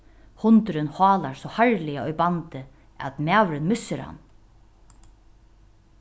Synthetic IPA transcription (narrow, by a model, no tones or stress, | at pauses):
hʊnt̪ɾɪnhɑːlaɾsɔhaɹlɪaɔjbant̪ɪ | æ̰t̪maːwɾɪnmʏsːɪɾha̰n